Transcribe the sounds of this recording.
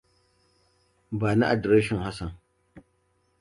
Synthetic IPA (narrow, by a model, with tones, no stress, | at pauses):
baː˨na̰˦ʔa˨dɾe˦ʃɔ˨nha˦sɐ˨n